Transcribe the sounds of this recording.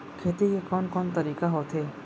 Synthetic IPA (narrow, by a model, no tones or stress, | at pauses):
kʰeːt̪ikekɔːnkɔːnt̪ɐɾiːkaɦoːt̪ʰɦeː